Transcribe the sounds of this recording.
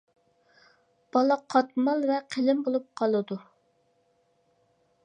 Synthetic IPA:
b̥ɑlˠɑqʰɑt̪mɑlˠvɛqʰəlɪmbolˠup̚qʰɑlˠɨd̪u

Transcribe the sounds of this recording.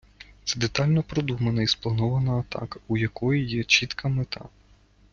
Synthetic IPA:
t̪sɛd̪et̪ɑlʲnɔpɾɔd̪umɐnɐisplˠɐnɔʋɐnɐːt̪ɑ̰kɐujɐkɔjijɛt͡ʃʲit̪kʰɐmet̪ʰɑ̰

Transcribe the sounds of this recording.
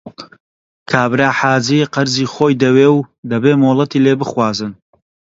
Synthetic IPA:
kʰaːbɾaːħaːziqɐɾziːχoːjd̪ɐweːwd̪ɐbeːmoːlˠɐt̪iːleːbɨχwaːzɨn

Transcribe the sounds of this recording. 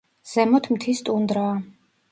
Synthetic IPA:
z̥ɛmɔt̪ʰmt̪ʰist̪ʼund̪ɾaː

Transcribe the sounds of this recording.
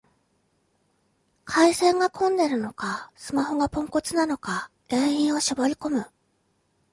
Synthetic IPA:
kʰaisẽ̞ŋɡakʰõ̞nd̪e̞ɾɯ̟no̞kasɨmaho̞ɡapõ̞ŋko̞t͡sɨnano̞ka | ɡ̥ẽ̞ɰ̃ĩɰ̃o̞ɕibo̞ɾʲiko̞mɯ̟

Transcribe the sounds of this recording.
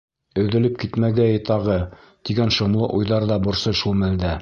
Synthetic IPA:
ɵ̆ðɘ̆lɘp̚kit̪mæɡæjɤt̪ɑʁɤ | t̪iɡænʃŏmlˠɤʔujðɑɾðɑbŏɾsɤʃulˠmæld̪æ

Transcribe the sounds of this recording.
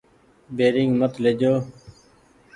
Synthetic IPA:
beːɾɪŋɡmət̪led͡ʒoː

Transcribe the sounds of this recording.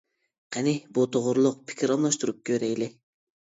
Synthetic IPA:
qʰænibut̪ʰoʁʊɾlˠʊq̚pʰi̥kʲʰiɾɑmlˠɑʃt̪uɾup̚kʰʲøɾejlɪ

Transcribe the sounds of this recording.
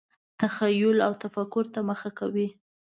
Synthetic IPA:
t̪axajʊlawt̪afakʊɾt̪aməxakawi

